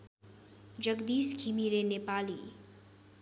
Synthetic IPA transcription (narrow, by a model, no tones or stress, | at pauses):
d͡ʒəɡd̪iːskʰimiɾenepaːlḭː